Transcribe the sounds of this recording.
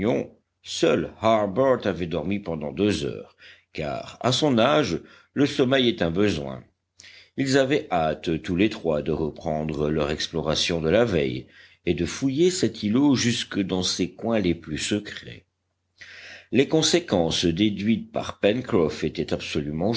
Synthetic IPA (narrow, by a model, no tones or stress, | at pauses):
ɔ̃ | sœlhaʁbœʁt̪avɛd̪ɔʁmipɑ̃d̪ɑ̰̃d̪øzœ̰ːʁka̰ʁa̰sɔ̃naʒ | ləsɔmɛjɛt̪ɛ̃bəzwɛ̰̃ | ilzavɛʔat̪t̪ulet̪χwad̪əʁəpχɑ̃d̪ʁəlœʁɛksplɔʁasjɔ̃d̪əlavɛj | ed̪əfujesɛt̪ʰiloʒyskəd̪ɑ̃sekwɛ̃leplysəkχɛ̰ | lekɔ̃sekɑ̃sd̪ed̪ɥit̪̚pa̰ʁpɛnkχɔfet̪ɛt̪apsɔlymɑ̃